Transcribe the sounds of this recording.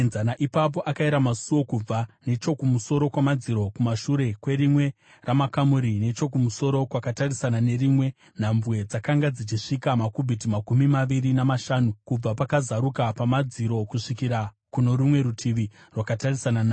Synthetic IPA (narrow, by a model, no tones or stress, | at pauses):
nzanaʔipap̬o̞ʔakaiɾamasuwo̞kub͡vane̞t͡ʃo̞kumuso̞ɾo̞kwamad͡ziɾo̞kumaʃuɾe̞kwe̞ɾimwe̞ | ramakamuɾine̞t͡ʃo̞k̬umuso̞ɾo̞kwakatarisanane̞rimwe̞ | n̤ambwe̞d͡zakaŋɡad͡zit͡ʃiʂikamakubʱitimakumimaʋiɾinamaʃaːnukub͡vapakazaɾukapamad͡ziɾo̞kuʂikiɾa | kuno̞ɾumwe̞ɾutʰiʋi | rwakatarisananaː